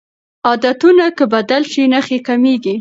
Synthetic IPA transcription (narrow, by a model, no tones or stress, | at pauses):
ɑd̪at̪unakəbad̪alʃinəxekameɡi